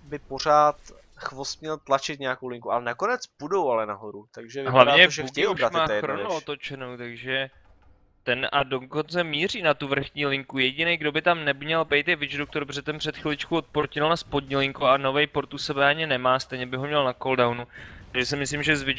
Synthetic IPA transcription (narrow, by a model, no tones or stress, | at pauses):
bɪpor̝aːt̪ | xvost̪mɲɛlt̪lat͡ʃɪt̪̚ɲɛjakowlɪŋkua̰lɛnakonɛt͡sb̥udowalɛnaɦoɾut̪aɡʒɛvɦlavɲɛʒɛukɪobɾatmaːɾonɪot̪ot͡ʃɛnowt̪aɡʒɛ | t̪ɛnado̞ko̞nt͡sɛmiːr̝iːnat̪uvr̩xɲiːlɪŋkujɛɟɪnejɡdo̞bɪt̪amnɛɲɛlpɛjt̪jɛvɪt͡ʃdok̚t̪o̞ɾbr̝ɛt̪ɛnpr̥ɛt̪xɪlɪt͡ʃkuot̪̚poɾcɪlnaspo̞dɲiːlɪŋkuano̞vɛjpo̞ɾt̪usɛbɛʔaɲɪnɛmaːst̪ɛjɲɛbɪɦo̞mɲɛlnako̞ldawnut̪aɡʒɛsɪmɪslimʒɛzvɪ